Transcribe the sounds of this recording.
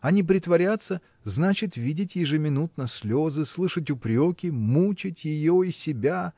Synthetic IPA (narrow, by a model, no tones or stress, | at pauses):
ɐnʲip̬ɾʲɪt̪vɐɾʲat̪sːə | znat͡ɕɪt̪vʲidʲɪtʲjɪʐɨmʲɪnut̪nɐsʲlʲozɨslˠɨʂətʲʊpɾʲokʲɪmut͡ɕɪtʲjɪjoisʲɪbʲa